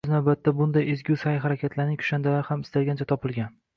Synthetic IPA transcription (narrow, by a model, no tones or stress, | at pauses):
znawbat̪ʰːabʊnd̪ajezɡʲusajɦaɾakʲʰat̪ʰlaɾnɪŋʲkʰʊ̥ʃand̪alaɾhamɪst̪alɡʲant͡ʃʰat̪ʰɒpɪlˠɡʲan